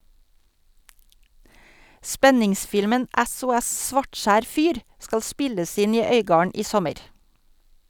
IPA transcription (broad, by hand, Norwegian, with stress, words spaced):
ˈspɛnɪŋˌsfɪlmən ʔæsʊˈɛs ˈsʋɑʈˌʃæːɾ ˈfyːɾ ˈskɑl ˈspɪləs ˈɪn ˈiː ˈœʏɡɑːəɳ ˈʔiː ˈsɔməɾ